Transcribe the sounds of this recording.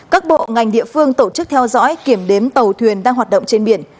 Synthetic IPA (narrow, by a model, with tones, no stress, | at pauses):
kaː˦˥k̚ɓo̰˧˨ŋa˨˩jŋ̟ɗḭ˧˨əfɨ˧əŋt̪o˧˩t͡ɕɨ˦˥k̚t̪ʰɛ˧wzɔ̰˧˥jki˧˩əmɗe˨˦mt̪ə˨˩wt̪ʰwi˨˩ənɗaː˧ŋɦwaː˨˩t̚ɗə̰˧˨wŋ͡mt͡ɕe˧nɓi˧˩ən